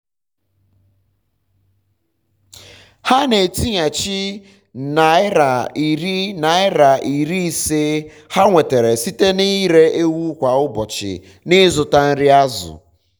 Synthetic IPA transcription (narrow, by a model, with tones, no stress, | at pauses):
ha˦ne˨ti˦ɲa˨t͡ʃi˦ | na˨ɪ˦ɾa˨i˨ɾi˦na˨ɪ˦ɾa˨ʔi˨ɾi˦i˨se˦ | ha˦ŋʷe˨te˨ɾe˨si˦te˦ni˦ɾe˦e˦wu˦kʷa˨ʊ˦bɔ˨t͡ʃɪ̰˨ | nɪ˦zʊ˨ta˦n̩˦ɾɪ˦a˦zʊ̰˨